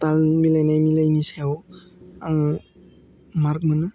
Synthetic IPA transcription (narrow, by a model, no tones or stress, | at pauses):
talmilajnajmilajnisawaŋ | maɾk̚mɯnɯ